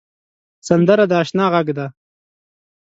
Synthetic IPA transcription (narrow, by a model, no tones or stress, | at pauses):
sand̪əɾad̪əɑːʃnɑːɣaɡd̪a